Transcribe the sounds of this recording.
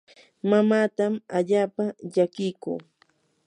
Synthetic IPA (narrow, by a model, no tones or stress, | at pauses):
mamaːt̪amaʎaːpaʎakɪjkṵː